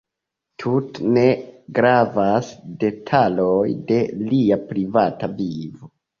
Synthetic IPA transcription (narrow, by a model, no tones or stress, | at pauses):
tʰutne̞ɡɾavasde̞tʰalojde̞liapɾivatavivo